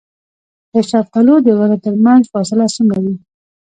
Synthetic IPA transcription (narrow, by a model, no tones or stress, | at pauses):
d̪̥əʃafqalod̪əwaɾat̪əɾmanzfɑsɪlasəŋɡawi